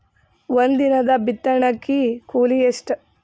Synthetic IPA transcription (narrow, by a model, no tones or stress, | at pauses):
ʋond̪inɐd̪ɐbit̪ːɐɳɐkːikuːlijeʂʈ